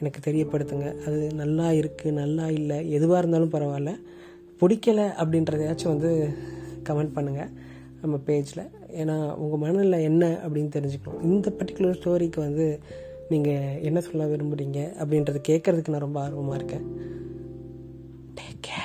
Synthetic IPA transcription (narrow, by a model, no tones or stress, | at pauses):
ɛnɐkːɯt̪ɛɾɪjɐpːɐɽɯt̪ːɯŋɡɐɐðɯnɐlːaːɪɾɯkːɯnɐlːaːɪlːɐɛðɯʋaːɪɾɯnd̪aːlɯ̃mpɐɾɐʋaːlɐ | pʊɽɪkːɐlɐʔɐp̬ːɐɽɪnɾɐðeːt͡ʃːɯʋɐnd̪ɯkɐmɛɳɖ̚pɐɳːɯŋɡɐ | nɐmːɐpeːd͡ʒɪlɐ̰ | eːnaːʊŋɡɐmɐnɐɪlɐɛnːɐʔɐpːɐɽɪnːɯt̪ɛɾɪɲd͡ʒɯkːɐɳʊ̰̃ʔɪnd̪ɐpɐʈːɪ̥kːʊlɐɾsʈoːɾikːɯʋɐnd̪ɯ | niːŋɡɐɛnːɐsɔlːaːʋɪɾɯmbɯɽiːŋɡɐʔɐpːɐɽɪnɾɐðɯkeːʈkːɐɾɐðɯkːɯnãːɾɔmbɐaːɾɯʋɐmaːɪɾɯkːẽː | ʈeːkːe